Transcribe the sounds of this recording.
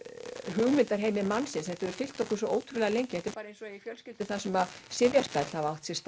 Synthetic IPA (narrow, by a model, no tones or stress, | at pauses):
ɦʏɣmɪnt̪aɾ̥ɦejmɪmanːsɪnsɛht̪ɪɾvɛɾ̥fɪl̥t̪ɔhkʏɾsɔʔoːwt̪ʰɾʏlɛɣalejɲcɪɛht̪ɪɾpaːɾaejnsɔifjœlscɪlt̪ɪ̥θasɛmasɪvjaspɛt̪l̥havawht̪sjɛst̪